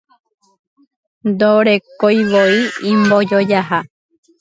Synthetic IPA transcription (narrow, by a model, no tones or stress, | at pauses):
nd̪oɾekojβoiimbod͡ʒod͡ʒaɦa